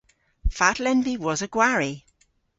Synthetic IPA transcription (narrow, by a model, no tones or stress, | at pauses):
fatlɛnbiwɒzəɡ̥waɹi